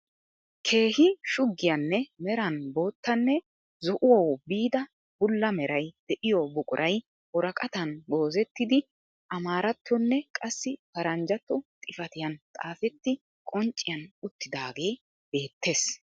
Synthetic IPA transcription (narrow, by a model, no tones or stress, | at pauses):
kʰe̞ːhɪʃʊɡːɪjɐnːɛmɛɾɐnbo̞ːt̪ːɐnːɛ | zɔʔʊwowbiːd̪ɐ | bʊlːɐmɛɾɐjd̪̥ɛʔɪjɔbʊkʼʊɾʔɐj | wɔɾɐkʼɐt̪ɐnɡo̞ːzɛt̪ːɪd̪ɪ | ʔɐmaːɾɐt̪ːɔnːɛkʼɐsːɪpɐɾɐnd͡ʒɐt̪ːɔt̪ʼɪfɐt̪ɪjɐnt̪ʼaːfɛt̪ːɪ | kʼɔnt͡ʃʼːɪjɐnʊt̪ːɪd̪aːɡe̞ː | be̞ːt̪ːe̞ːs